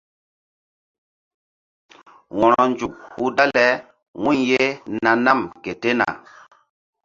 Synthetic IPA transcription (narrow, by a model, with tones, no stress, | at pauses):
wɔ̃˨ɾɔ˨nd͡ʒu˨khu˦da˦lɛ˦ | wũ˦nje˦na˨na˦˨mke˨te˦na̰˨